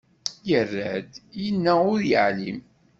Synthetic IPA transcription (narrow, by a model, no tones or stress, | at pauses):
jərːəd̪jənːæʊɾjəʕlim